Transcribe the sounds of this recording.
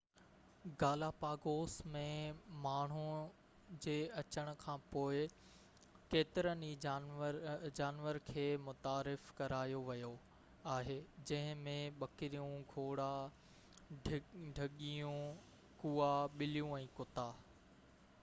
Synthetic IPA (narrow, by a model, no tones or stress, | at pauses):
ɡaːlapaːɡoːsmẽmaːɳ̤ũ | d͡ʑeːɐt͡ɕəɽ̃ʊ̆kʰãːpoːɪ | keːt̪ɪɾəniɾd͡ʑaːnʋəɾkʰeːmʊt̪aːɾɪfkɐɾaːjoʋɐjo | aːɦeːd͡ʑɐ̃ɦɪ̃mẽɓɐkɪɾijũɡʱoːɽa | ɖʱɐɠijũ | kuːaɓɪlijũɛ̃ːkʊt̪aː